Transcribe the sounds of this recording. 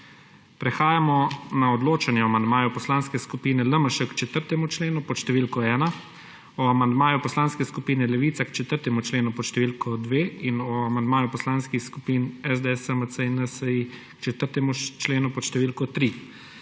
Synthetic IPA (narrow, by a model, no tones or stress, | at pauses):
pɾɛxaːjamɔnaɔd̪loːt͡ʃanjɛɔmand̪maːjɔpɔslaːnskɛskupiːnɛləməʃɛkt͡ʃɛt̪əɾt̪ɛmut͡ʃleːnupɔʃt̪ɛʋiːlkɔɛːna | ɔamand̪maːjupɔslanskɛskupiːnɛlɛʋiːt̪sakt͡ʃɛt̪əɾt̪ɛmut͡ʃleːnupɔʃt̪ɛʋilkɔd̪ʋeːinɔamand̪̚maːjupɔslaːnskixskupiːnɛzd̪eɛsəməsəinəsəikt͡ʃɛt̪əɾt̪ɛmut͡ʃleːnupɔʃt̪ɛʋiːlkɔt̪ɾi